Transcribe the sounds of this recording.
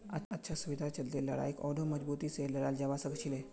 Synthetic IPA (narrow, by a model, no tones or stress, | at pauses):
atːətːɕʰasuʋid̪ʱat͡ɕəlt̪eljala̰ekɔ̰ɖoməd͡zbut̪it͡seləɾald͡ʑaʋasəɡt͡ɕʰile